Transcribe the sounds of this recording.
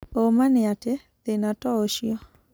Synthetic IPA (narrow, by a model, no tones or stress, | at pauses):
omanɪate | t̪enatɔoʃjɔ